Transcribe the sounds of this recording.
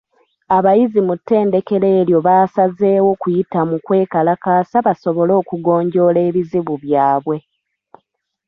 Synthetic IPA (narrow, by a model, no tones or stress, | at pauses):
aβajizimutːe̞ːnde̞ke̞le̞ːljo̞βaːsaze̞ːwo̞kujitamukwe̞ːkalakaːsaβaso̞βo̞lo̞ːkuɡo̞ːɲɟo̞ːle̞ːβiziβuβjaːβwe̞